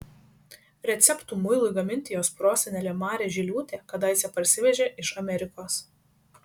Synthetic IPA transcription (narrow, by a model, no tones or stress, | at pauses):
ɾʲɛt̪sʲɛpt̪uːmʊɪlˠʊɪɡɐmʲɪnʲt̪ʲɪjoːspɾoːsʲɛnʲɛlʲɛmɑːɾʲeːʒʲɪlʲuːt̪ʲeːkɐd̪ɐɪsʲɛpɐɾʲsʲɪʋʲɛʒʲeːʔɪʃɐmʲɛɾʲɪkoːs